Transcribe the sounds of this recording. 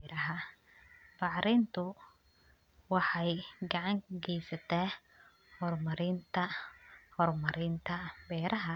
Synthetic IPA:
ɾɐɦɐ | bɑʕɾɪnt̪ʰʊ | wɑħɑjɡɑʕɑŋɡɛjsɐt̪ʰɛː | hɔrmɐɾɪnt̪ʰɐhɔrmɐɾɪnt̪ʰɐbɛːɾʔɐɦɐ

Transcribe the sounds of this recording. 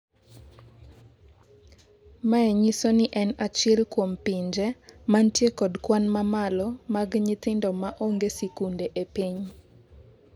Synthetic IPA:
maɛɲisonɪʔɛnat͡ʃɛlkwompiɲd͡ʒɛmantjekɔdkwanmamalɔmaɡɲɪt̪ɪndɔmaʔoŋɡesikundeʔepiɲ

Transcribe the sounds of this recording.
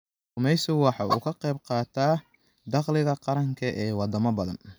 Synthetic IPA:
ʊmɛjsʊwɑħɑṵkʰɐqɛjb̚qɑːt̪ʰaː | d̪ɑqlɪɣɐqɑɾɐŋkʰɐʔɛːwɑd̪ɐmɐbɐðɐ̰n

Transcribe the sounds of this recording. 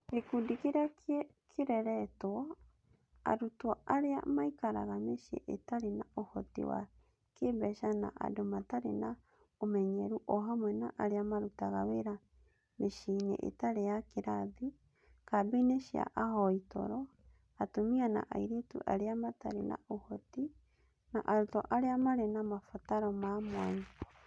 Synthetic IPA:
ekudikeɾake | kʰeɾɛɾɛtwɔ | a̰ɾutwɔaɾea̰maikaɾa̰ɣameʃḛʔetaɾenaohɔtḛwa̰ | kebɛʃana̰ʔa̰domataɾḛna | omɛɲɛɾuʔɔɦamwɛnaʔaɾeamaɾutaɣaweɾa | meʃinḛʔḛtaɾeakeɾaði | kabeineʃia̰ʔaɦɔito̰ɾɔ | atomiana̰ʔajɾetṵʔa̰ɾeamata̰ɾena̰ohoti | naʔaɾutoʔaɾeamaɾenamafotaɾomamwaɲ

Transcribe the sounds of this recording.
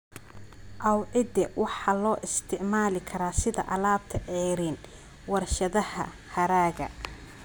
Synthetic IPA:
ʔɐwʕɪd̪ɛwʔɑħɑlɔːʔɪst̪ʰɪʕmaːlɪkʰɐɾaːsɪðɐ̰ʔɐlaːb̚t̪ʰɐʕɛːɾiːn | wɐrʃɐðɐhɐ̰ | hɐɾaːɣɐ̰

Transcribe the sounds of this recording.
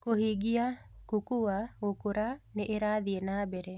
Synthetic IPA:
koɦiɡija | kukuwaokuɾaneʔeɾaːd̪ijenaːbeɾe

